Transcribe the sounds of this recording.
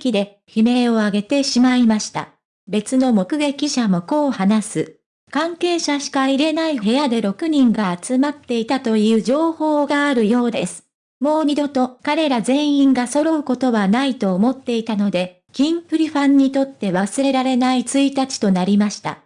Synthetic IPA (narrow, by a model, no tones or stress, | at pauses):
kʲid̪e̞ | çime̞o̞aɡe̞t̪e̞ɕimaimaɕi̥t̪a̰ | be̞t͡sɨno̞mo̞kɯ̟ɡe̞kʲiɕamo̞ko̞ːhanasɨ | kãŋke̞ːɕaɕi̥kaiɾe̞naiɦe̞jad̪e̞ɾo̞kɯ̟ɲ̟ĩŋɡaːt͡sɨmat̪ːe̞it̪at̪o̞jɯ̟ːd͡ʑo̞ːho̞ːɡaːɾɯ̟jo̞ːd̪e̞sɨ̥ | mo̞ːɲ̟id̪o̞t̪o̞kaɾe̞ɾazẽ̞ɰ̃ĩŋɡaso̞ɾo̞ɯ̟ko̞t̪o̞βanait̪o̞ːmo̞t̪ːe̞it̪ano̞d̪e̞ | kʲĩmpɯ̟ɾʲiɸãɲ̟ːit̪o̞t̪ːe̞βasɨɾe̞ɾaɾe̞nait͡sɨit̪at͡ɕi̥t̪o̞naɾʲimaɕi̥t̪a̰